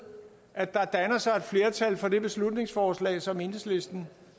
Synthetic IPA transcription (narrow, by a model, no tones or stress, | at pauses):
ʔæd̥ɑ̈d̥ænɐsɑ̈ɪed̥fle̝ːɐt͡sʰælfɒ̽d̥e̝b̥e̝slud̥ne̝ŋsfɒːslɛ̰ːsɒ̽me̝nəsle̝sd̥n̩